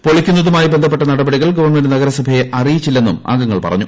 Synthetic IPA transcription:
po̞ɭikʲːunːɐðumaːjibend̪ʱɐpːe̞ʈːɐnɐɽɐbɐɽiɣɐɭɡɐʋɐrme̞nɖɨnɐɣɐɾɐsɐbʱɐjeʔɐrijit͡ɕːilːe̞nːuma̰ːŋɡɐŋːɐɭpɐrɐ̰ɲːu

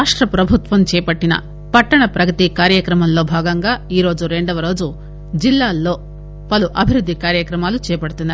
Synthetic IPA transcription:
aːʂʈɾɐpɾɐbʱut̪ʋɐmt͡ʃɛːpɐʈːinɐ̰ | pɐʈːɐɳɐpɾɐɡɐt̪ikaːɾjɐkɾɐmɐmlo̞ːbʱaːɡɐŋɡaːiːɾo̞ːd͡ʒuɾe̞ɳɖɐʋɐɾo̞ːd͡ʒu | d͡ʒilːaːlːo̞ː | pɐluʔɐbʱiɾud̪ʱːikaːɾjɐkɾɐmaːlut͡ʃɛːpɐɽut̪unːaː

